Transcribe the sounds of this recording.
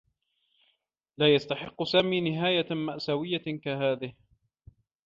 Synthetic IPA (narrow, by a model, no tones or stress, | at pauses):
laːjast̪aħɪqːʊsaːmiːnɪɦaːjamaʔsawɪjːakahaːðɪh